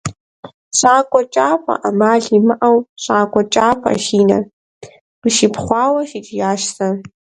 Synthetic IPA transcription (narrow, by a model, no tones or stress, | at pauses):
ɕʼaːkʷʼɔt͡ʃʼaːpʷʼɐ̰ʔɐmaːɮimɨʔɐwɕʼaːkʷʼɔt͡ʃʼaːpʷʰʼɐ̰ʃiːnɐ̰ | qəʃipχʷɑːwɐʃɪt͡ʃʼijaːʃtʰɐ